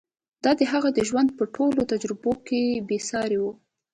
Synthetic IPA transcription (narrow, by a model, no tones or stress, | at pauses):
d̪̥ɑd̪əɦaɣad̪əʒwand̪̚pəʈʰolot̪ad͡ʒɾɪbokebesɑɾewu